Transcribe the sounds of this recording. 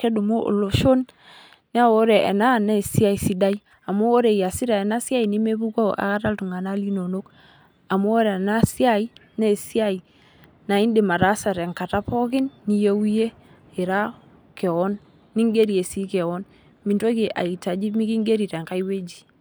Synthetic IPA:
kɛ˦du˨mo˦ʔo̰˨lo˨ʃo˦n | ni˦a˦wo˦ɾe˨ʔɛ̰˨na˦˨ne˦˨si˦a˦i˨si˨da˦i˦ | a˨mo˦o˦ɾe˨ja˨si˦ɾa˨ɛ˨na˦sja˦i˨ni˦me˦bu˦ka˦ʔa̰˨ka˦ta˦ltu˨ŋa˨na˦li˦no˨no˦k | a˨mo˦o˦ɾna˦si˦a˦i˦nɛ˦˨si˦a˦i˨ | na˨i˦ndi˨ma˨ɾa˦sa˨ɾɛ˨ŋka˨ta˦pɔ˦kɪ˦nːi˨jo˦wje˦ | ɪ˨ɾa˦ | kɛ˨ɔ˦nː | i˦ŋɡe˦ɾi˨e˨si˦kɛ˨wɔ˦n | mi˨nto˦ki˨ʔa̰˨i˨ta˨d͡ʒi˦mi˦ki˦ŋɡe˦ɾi˨ɾe˨ŋka˦jwe˦d͡ʒi̥˨

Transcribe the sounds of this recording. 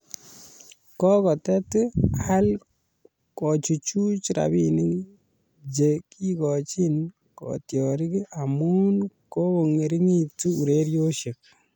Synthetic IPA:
kɔ˦kɔ˨tɛ˦tɪ˦ha˦l | kɔ˨t͡ʃu˨t͡ʃu˦t͡ʃɾa̰˨bini˦ŋ | d͡ʒe˨ki˦kɔ˨t͡ʃi˦n | kɔ̰˨tjɔ˨ɾi˦ki˦a˨mu˦nkɔ˦kɔ˨ŋe˨ɾi˦ŋi˦ti˦u˨ɾe˦ɾjo˦ʃɪ˨k̚

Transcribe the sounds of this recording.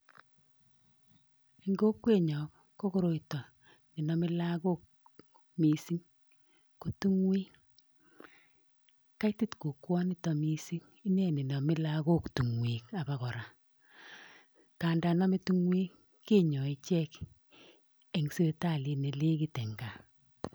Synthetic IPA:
i˨ŋɡo˦kwe˦ɲɔ˨k | kːo˦ko˦ɾo˨itɔ˨ | ni˨nɔ˨mɪ˦la˦ko˦k̚ | mi˨si˦ŋ | ku˨tu˦ŋwiː˦ | ka˦jti˦tku˨kwɔ˦ni˦tɔ˨mi˦si˦ŋ | i˦ne˦˨ni˨nɔ˨mɪ˦la˦ko˦ktu˨ŋwi˨ka˨ba˨kɔ˨ɾa˨ | ka˨nda˨na˦mi˦tu˦ŋwi˦k | kːe˦˨ɲɔ˨i˨t͡ʃɛ˦k | e˨ŋse˦ta˦˨li˨ne˨le˦ki˨tɛ˨ŋɡa˨

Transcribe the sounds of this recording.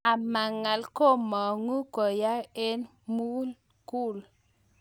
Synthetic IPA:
a˨ma˨ŋa˨lko˦mɔ˨ŋu˦kɔ˨ja˦e˦n | mu˦l | ku˦˨l

